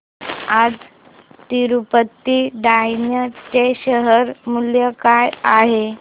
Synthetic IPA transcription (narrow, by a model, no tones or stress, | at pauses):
ad͡z | t̪iɾupət̪ːiɖainjət͡ɕeɕəɦəɾmuljəkajaɦe